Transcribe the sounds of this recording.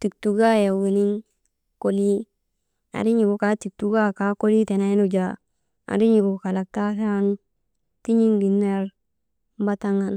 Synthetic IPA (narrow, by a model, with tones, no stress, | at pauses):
ti˨k̚tu˨ɡa˦ja˨wi˨ni˦n | ko˦li˦ | a̰˨ɾi˦ɲi˨ɡo˨ka˦ti˨k̚tu˦ɡa˦ka˨ko˦li˦te˨na˦i˦nu˦d͡ʒa˨ | a̰˨ɾi˦ɲi˨ɡo˨ka˨la˨k̚ta˦sa˦n | ti˦ɲi˦ŋɡi˨nːe˦ɾ | ba˦ta˦ŋa˦n